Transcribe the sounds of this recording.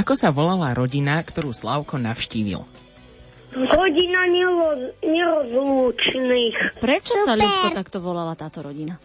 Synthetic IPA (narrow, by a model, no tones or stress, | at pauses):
akɔsaʋɔlalaɾɔɟinakt̪ɔɾuːslaʊkɔnafʃciːʋḭl | ɾɔɟinaɲɛɲɛɾɔzluːt͡ʃniːxpɾɛt͡ʃɔsaʎuxkɔt̪akt̪ɔʋɔlalat̪aːt̪ɔɾɔɟina